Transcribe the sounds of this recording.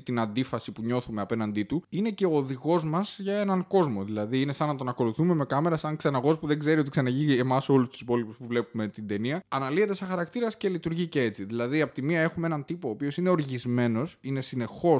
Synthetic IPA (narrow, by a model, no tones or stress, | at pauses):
t̪inɐnd̪ifɐsipuɲo̞θume̞ɐpe̞nɐnd̪it̪uine̞ce̞o̞ːðiɣo̞zmɐz̥ʝɐe̞nɐŋko̞zmo̞ðilɐðiine̞sɐnːɐt̪o̞nɐko̞luθume̞me̞kɐme̞ɾɐsɐŋksenɐɣo̞spuðe̞ɡze̞ɾio̞t̪iksɐnɐʝiemɐso̞lust̪usi̥po̞lipuspuvle̞pume̞t̪ind̪e̞niɐɐnɐlie̞t̪e̞sexɐɾɐkt̪iɾɐsce̞lit̪uɾʝice̞et͡siðilɐðiɐpot̪imiɐe̞xumeenɐnt̪ipoːpio̞sine̞o̞ɾʝizme̞no̞sine̞sine̞xo̞